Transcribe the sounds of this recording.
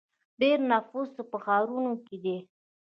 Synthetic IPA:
ɖeɾnafusəpəxɑɾunoked̪e

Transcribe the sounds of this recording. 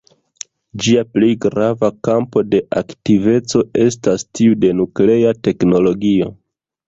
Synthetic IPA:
d͡ʒiaplejɡɾavakampo̞de̞ʔaktive̞t͡so̞e̞stastiude̞nukle̞ate̞kno̞lo̞ɡio̞

